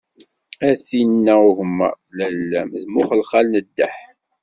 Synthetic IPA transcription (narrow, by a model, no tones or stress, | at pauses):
æθinːæuʝmːæ̰ | lælːæmðmʊχəlχælnəd̪ːæħ